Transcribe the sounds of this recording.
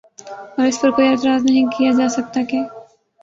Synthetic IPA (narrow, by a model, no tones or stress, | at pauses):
ɔːɾɪspɐɾkoːiɛt̪̬ɾaːznɐɦĩkijad͡ʒaːsɐk̚t̪akeː